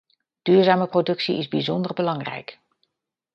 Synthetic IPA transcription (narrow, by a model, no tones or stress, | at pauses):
d̥yːɹzaːməprodɵksḭɪzbizɔndərbəlɑŋrɛ̰jk